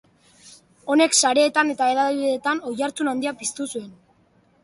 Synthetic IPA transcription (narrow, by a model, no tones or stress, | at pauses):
o̞ne̞ksaɾe̞ːt̪ane̞t̪ae̞laðiðet̪ano̞jaɾt͡sunand̪iapist̪usue̞n